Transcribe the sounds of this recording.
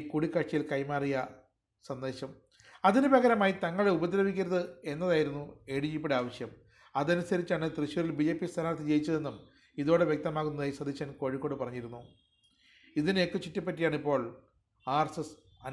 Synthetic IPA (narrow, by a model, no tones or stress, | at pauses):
kuɽikːɐʂʂɐjilkɐjmaːrijɐ | sɐnd̪e̞ːɕɐm | ɐðinɨbɐɣɐɾɐmaːjit̪ɐŋːɐɭubɐd̪ɾɐʋikʲːiɾɐðɨe̞nːɐðaːjiɾunːue̞ɽijip̬ːeɽaːʋɐɕjɐm | ɐðɐnusɐɾit͡ɕːaːɳɨt̪rɨɕjuɾilbid͡ʑe̞ːpːist̪ʰɐɾaːrt̪ʰit͡ɕe̞jit͡ɕːɐðe̞nːum | iðo̞ːɽeʋjek̚t̪ɐmaːɣunːɐðaːjisɐd̪ʱiɕɐnko̞ːɻikːo̞ːɽɨpɐrɐɲːiɾunːu | iðinekːɨt͡ɕitːɐpːɐtːijaːɳipːo̞ːɭ | aːrsɐs | ɐ